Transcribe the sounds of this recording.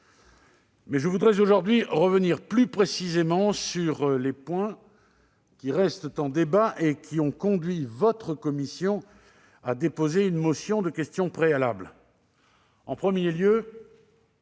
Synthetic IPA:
mɛʒəvud̪ʁɛzoʒuʁd̪ɥiʁəvəniʁplypχesizemɑ̃syʁlepwɛ̃ | kʲiʁɛst̪t̪ɑ̃d̪ebaʔekʰʲiɔ̃kɔ̃d̪ɥivɔt̪χəkɔmisjɔ̃ | ad̪epozeynmɔsjɔ̃d̪əkʲɛst̪jɔ̃pχealabl | ɑ̃pχəmjeljø

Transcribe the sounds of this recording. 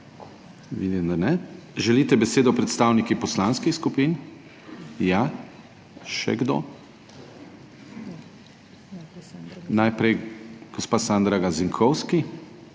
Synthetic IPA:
ʋḭd̪imd̪anɛʒɛlit̪ɛbɛseːd̪ɔpɾɛt̪st̪awnikipɔslanskixskupin | ja | ʃɛ̰ɡd̪o̰ː | najpɾɛjɡ̥ɔspaːsand̪ɾaɡaziŋkʰɔwski

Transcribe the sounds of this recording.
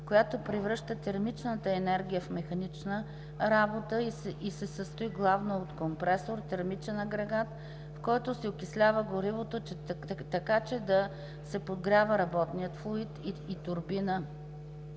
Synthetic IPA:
kojat̪opɾivɾɤʃt̪ət̪ɛɾmit͡ʃnət̪əɛnɛɾɡʲijəfmɛxɐnit͡ʃnə | ɾabot̪əiisɛsəst̪ʊiɡlˠavnoot̪kompɾɛsoɾt̪ɛɾmit͡ʃɛnɐɡɾɛɡat̪ | fkɔjt̪osɛokʲislʲavəɡoɾivot̪ot͡ʃt̪ɐkat͡ʃɛd̪ɐ | sɛpod̪ɡɾʲavəɾɐbɔt̪nijət̪flˠoit̪it̪ʊɾbinə

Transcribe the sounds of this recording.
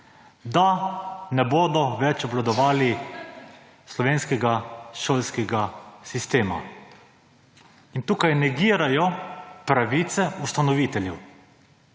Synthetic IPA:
d̪anɛboːd̪ɔʋɛt͡ʃɔblad̪ɔʋaːli | slɔʋeːnskɛɡaʃoːlskɛɡasist̪eːma̰ | int̪uːkajnɛɡiːɾajɔpɾaʋiːt̪sɛust̪anɔʋiːt̪ɛljɛw

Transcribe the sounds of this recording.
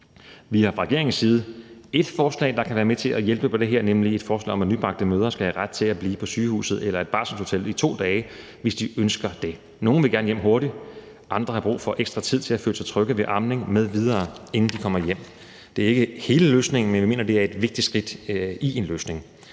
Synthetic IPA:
ʋihɑ̈fʁɛɡ̥e̝ɐ̰eŋn̩sːiːð̞ˠəe̝d̥fɒːslɛ̰ːɪd̥ɑ̈kʰæʋæːɐmet͡sʰe̝læjelb̥əpʰɒ̽d̥e̝ɦɛɐ̰nemlie̝d̥fɒːslɛ̰ːɒ̽mʋænyb̥ʁɑ̈ɡ̥̚d̥̩əmøːð̞ˠɐsɡ̥æhæʁad̥̚t͡sʰe̝læb̥liːpʰɒ̽syːhṵːsð̞̩ˠelɐe̝d̥̚b̥ɑ̈sɒnsho̝t͡sʰel̰it͡sʰo̝̰ːd̥ɛː | ʋe̝sd̥iønsɡ̥ɐd̥e̝ | no̝ːn̩ʋe̝ɡæɐnəjem̰ɦo̝ɐɾi̥ | ʔɑ̈nd̥ʁɐhɑ̈b̥ʁṵːfɒ̽ʔeɡ̥sd̥ʁɑt͡sʰið̰ˠt͡sʰe̝læføːləsʰet͡sʰʁœɡ̥əʋeʔɑ̈mne̝ŋmeðˠʋið̞ˠɐːe̝nn̩d̥ikʰɒ̽m̰ɐjem̰ | d̥e̝æɐe̝ɡ̥əhe̝ːləløːsne̝ŋn̩menʋime̝̰ːnɐd̥e̝æɐe̝d̥ʋe̝ɡ̥̚d̥id̥sɡ̥ʁid̥ie̝nløːsne̝ŋ

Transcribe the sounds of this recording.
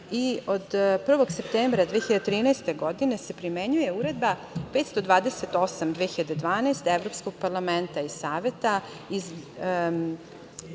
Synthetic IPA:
iod̪pr̩ʋo̞ɡse̞p̚t̪embɾad̪ʋeːçiʎad̪et̪ɾiːnast̪eɡod̪ine̞se̞pɾimeɲuje̞uɾe̞d̪bape̞ːt̪st̪o̞d̪ʋaːd̪ese̞t̪o̞samd̪ʋeːxiʎad̪ed̪ʋaːnaest̪eʋɾo̞ːpsko̞ɡ̥̚paɾlˠament̪aisaːʋe̞t̪a | iz

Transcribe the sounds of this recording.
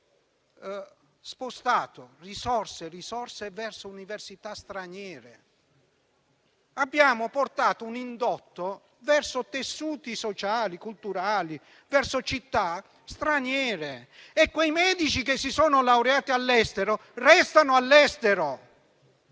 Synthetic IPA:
spost̪aːt̪orisɔrserisɔrsevɛrsouniversit̪ast̪ɾanjɛːɾḛ | abːjaːmʊport̪aːt̪ounind̪ɔt̪ːo | vɛrsot̪esːuːt̪isot͡ʃaːlikult̪uɾaːli | vɛrsot͡ʃit̪ːa | st̪ɾanjɛːɾe | ekːwejmɛːd̪it͡ʃikesːisoːnʊlawɾeaːt̪ialːɛst̪eɾorɛst̪anʊalːɛst̪eɾo

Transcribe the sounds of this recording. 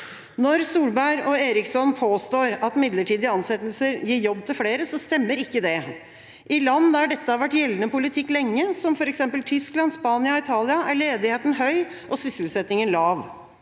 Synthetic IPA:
nɔɾsuːlbæɪɾɔeːɾɪksɔnpʰoːst̪oːɾɑt̪mɪd̪ləʈiːd̪ɪɑnsɛt̪ːlsəɾjiːɾjɔbːt̪ʰɪlfleːɾəsɔst̪ɛmːəɾɪkːəd̪ɛ | ʔɪlɑnːəæɖɛt̪ːəhɑɾʋæʈːjɛlːənəpʊlɪt̪ʰɪkːlɛŋːəsɔmfɔɾɛksɛmpəlt̪ʰʏsklɑnspɑːnɪɑɔɪt̪ʰɑːlɪɑʔæɭeːd̪ɪheːt̪n̩ɦœʏ | ʔɔsʏsəlsɛt̪nɪŋənlɑːʋ

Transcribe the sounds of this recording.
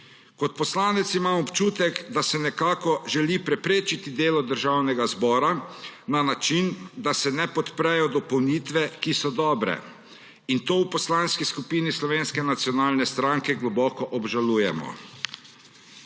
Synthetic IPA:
kɔt̪̚pɔslaːnɛt̪simamɔpt͡ʃuːt̪ɛkd̪asɛnɛkaːkɔʒɛlipɾɛpɾeːt͡ʃit̪id̪eːlɔd̪əɾʒawnɛɡazbɔːɾananat͡ʃind̪asɛnɛpɔt̪pɾɛjɔd̪ɔpɔwnit̪ʋɛkisɔd̪ɔːbɾɛ̰ | int̪oːwpɔslaːnskiskupiːnislɔʋeːnskɛnat̪sijɔnaːlnɛst̪ɾaŋkɛɡlɔbɔːkɔʔɔbʒaluːjɛmɔ̰

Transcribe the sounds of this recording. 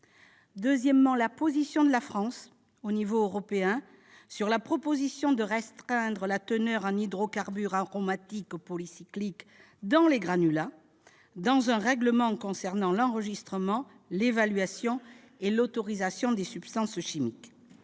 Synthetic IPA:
d̪øzjɛmːɑ̃lapozisjɔ̃d̪əlafχɑ̃s | onivoøʁɔpeɛ̃ | syʁlapχɔpozisjɔ̃d̪əʁɛst̪χɛ̃d̪ʁəlat̪ənœʁɛ̃nid̪ʁɔkaʁbyʁaʁɔmat̪ikupɔlisiklik | d̪ɑ̃leɡʁanyla | d̪ɑ̃zɛ̃ʁɛɡləmɑ̃kɔ̃sɛʁnɑ̃lɑ̃ʁəʒist̪χəmɑ̃ | levalɥasjɔ̃ | elot̪ɔʁizasjɔ̃d̪esypst̪ɑ̃sʃimik

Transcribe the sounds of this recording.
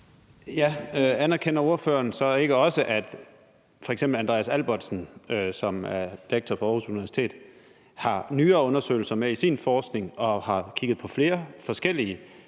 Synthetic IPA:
jæøænæɐkʰen̰ɐo̝ɐfø̰ːɐnsɒ̽e̝ɡ̥əɒ̽səʔæd̥ | fɒ̽eɡ̥semb̥l̩ænd̥ʁḛːæsælb̥ɒd̥sn̩øsɒ̽mæɐd̥ieɡ̥̚t͡sʰɒpʰɒ̽ɒːhusuniʋæɐsi̥t͡sʰe̝̰ːd̥ | hɑ̈nyːɐːɔ̽nɐsø̰ɪl̩sɐmeisinfɒːsɡ̥ne̝ŋɒ̽hɑ̈kʰiɡ̥ð̩ˠpʰɒ̽fle̝ːɐfɒ̽sɡ̥el̰iə

